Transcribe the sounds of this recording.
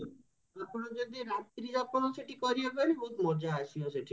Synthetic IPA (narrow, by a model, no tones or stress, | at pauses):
apɽ̃ɔd͡ʒod̪iɾat̪ɾid͡ʒapɔnɔseʈʰikɔɾiakɔɽibɔɦut̪mɔd͡ʒaːsiɔseʈʰi